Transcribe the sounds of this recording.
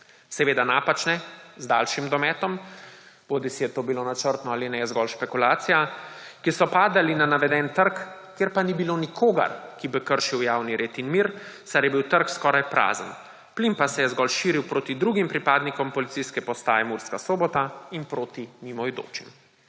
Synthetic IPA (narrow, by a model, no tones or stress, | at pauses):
sɛʋeːd̪anaːpat͡ʃnɛzd̪a̰ːlʃimd̪ɔmɛːt̪ɔm | boːd̪isijɛt̪oːbilonat͡ʃəɾt̪nɔaːlinɛɛzɡɔlʃpɛkulaːt̪sijakisɔpaːd̪alinanaʋɛd̪ɛnt̪əɾkː | eɾpanibilonikʰoːɡa̰ɾkibikəɾʃiwjaːwniɾeːt̪inmiːɾsaɾjɛbiwt̪əɾkskɔɾajpɾa̰ːzə̰n | plimpasɛjɛzɡɔlʃiːɾiwpɾoːt̪id̪ɾuɡimpɾipaːd̪nikɔmpɔlit̪sijskɛpɔst̪a̰ːjɛmuɾskasoːbɔt̪ainpɾoːt̪imimɔjd̪o̰ːt͡ʃḭm